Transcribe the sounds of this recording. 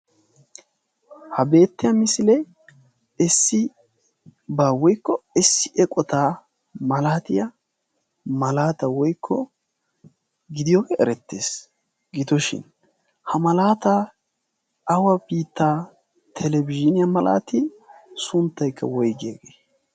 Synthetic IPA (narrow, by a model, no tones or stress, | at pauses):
hɐbe̞ːt̪ːɪjɐmɪsɪlɛj | ɛsːɪ | baːwɔjkːɔɛsːɪʔɛkʼɔt̪aː | mɐlaːt̪ɪjɐ | mɐlaːt̪ɐwɔjkʰːɔ | ɡɪd̪ɪjɔɡɛɛɾɛt̪ːe̞̰ːs | ɡɪt̪ɔʃɪ̰n | hɐmɐlaːt̪a | ɐwɐbiːt̪ːaː | t̪ʰɛlɛbɪd͡ʒɪnɪjɐmɐla̰ːt̪ɪ | sʊnt̪ːɐjkʰːɐ̰wɔjɡeɡeː